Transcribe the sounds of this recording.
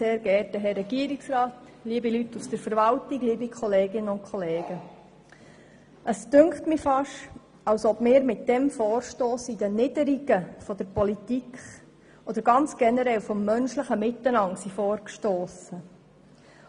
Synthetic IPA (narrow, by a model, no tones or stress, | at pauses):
seːɾɡɛːɾtəɦɛːɛɡiəɾiksrɑːt | liəbilytːusd̥əɾfəɾʋɑltiɡliːbikʰχɔleːɡɪnəʊnkʰχɔleːɡ̥ə | ʔəsd̥ʉŋkχtmɪfɑʃ | ɑlsɔbmɪːɾmɪt̚d̥ɛmfɔːɾʃtoːsid̥ənɪdəɾiɡ̥əfɔd̥̪əɾpɔlitikχ | ɔd̪əɾɡɑnt͡sɡ̥ɛnəɾɛlfɔmːœnʃləχəmɪt̪ːənɑŋsifɔːɾkʃtoːsə